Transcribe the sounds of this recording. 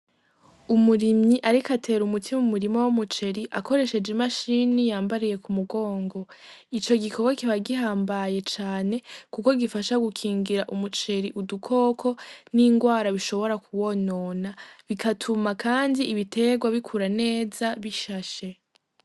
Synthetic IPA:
umuɾimɲiʔaɾikatʰe̞ɾumutʰimumuɾimowomut͡ʃe̞ɾiʔako̞ɾe̞ʃe̞d͡ʒemaʃinijaːmbaɾije̞kumuɡo̞ːŋɡo̞it͡ʃo̞ɡikʰoɡakiβaɡiɦaːmbaje̞t͡ʃaːne̞kuko̞ɡifaʃaɡukʰiːŋɡiɾaʔumut͡ʃe̞ɾiʔudukʰo̞ːkʰo̞niːŋɡwaːɾaβiʃo̞βo̞ɾakuβo̞no̞naβikʰatʰumakaːndiʔːβitʰe̞ɡwaβikʰuɾane̞ːzaβiʃaʃe̞

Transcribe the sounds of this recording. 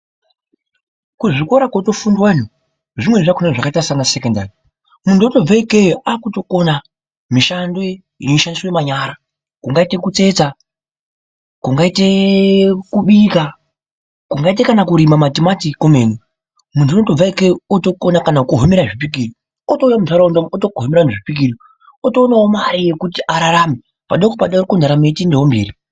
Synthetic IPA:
kuʐiko̞ɾakwato̞fundwanu | ʐimweʐakonaʐakaitasaŋɡasekondari | muntʰuoto̞b͡vaikejoakuto̞ko̞na | miʃando | imiʃandisojemaɲaːɾa | kuŋɡaite̞kut͡se̞t͡sa | kuŋɡaite̞ | kuɓika | kuŋɡaitekanakuɾimamatimatikomeːnu | muntʰunotob͡vaikeoto̞konakanakuɦomeɾaʐipik̬iːri | otoujamusaɾandootokuɦomeɾaneʐipik̬iri | oto̞naomaɾijekutiʔaɾaɾaːmi | pa̰ɗekopaɗaorikundaɾame̞tindeɦombeːɾi

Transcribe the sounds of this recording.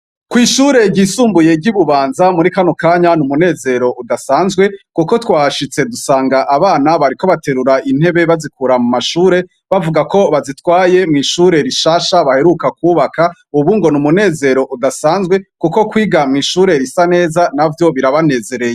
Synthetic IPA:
kwiːʃuɾe̞ɟiːsuːmbuje̞ɟiβuβaːnzamuɾikanokaːɲanumune̞ːze̞ɾo̞ʔudasaːnzɡwe̞kuko̞twaːʃit͡se̞dusaːŋɡaʔaβaːnaβaɾiko̞βate̞ɾuɾain̥he̞βe̞βazik̚uɾamumaʃuːɾe̞ | βavuɡako̞βazitwaːje̞mŋiːʃuːɾe̞ɾiʃaːʃaβahe̞ɾukakwuːβakauβuŋɡo̞numune̞ːze̞ɾo̞ʔudasaːnzɡwe̞kuko̞kwiːɡamŋiːʃuːɾe̞ɾisane̞ːzanavjo̞βiɾaβane̞ːze̞ɾe̞je

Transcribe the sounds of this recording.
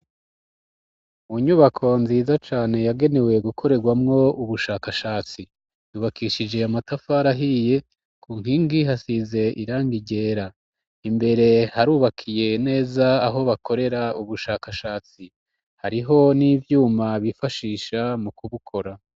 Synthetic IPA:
uɲuβakʰo̞nziːzat͡ʃaːne̞jaɡe̞ne̞we̞ɡukʰo̞ɾe̞ɡwamŋo̞uβuʃaːkaʃaːt͡si | juːβakiʃid͡ʒe̞amatafaɾaɦije̞ | kʰuːŋhiːŋɡiɦasize̞ʔiɾaːŋɡiɟe̞ːɾa | imbe̞ɾe̞haɾuːβakʰije̞ne̞ːzaːɦo̞βako̞ɾe̞ɾauβuʃaːkaʃaːt͡si | haɾiɦo̞niːvjuːmaβifaʃiːʃamukuβukʰo̞ɾa

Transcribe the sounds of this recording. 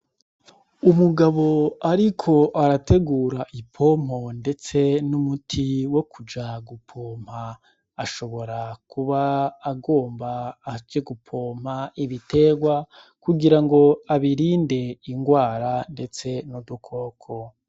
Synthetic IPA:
umuɡaβo̞aɾikʰo̞ʔaɾate̞ɡuːɾaʔipʰo̞m̥ho̞nde̞t͡se̞numutʰiwo̞kud͡ʒaɡupʰoːm̥haː | ʃo̞βo̞ɾakuβaːɡo̞ːmbaːd͡ʒeɡupʰo̞ːm̥haiβitʰe̞ɡwa | kuɡiɾaŋɡo̞aβiɾiːnde̞iŋɡwaːɾande̞t͡se̞nudukʰo̞ːkʰo̞

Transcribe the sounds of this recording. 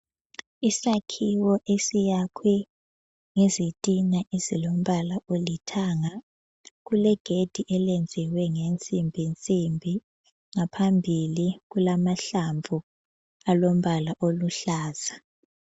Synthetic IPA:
isakʰiwɔʔesijakʰwɛ | ŋezitʼinaʔezilom̩βalaʔolitʰaŋa | ɣulɛɡ̥ʱed̥ʱiʔɛlend͡zʱiwɛŋent͡sʼimbʱint͡sʼimbʱi | ŋapʰambʱiliɣulamaɬaɱvʱu | alom̩βalaʔoluɬaːz̥a

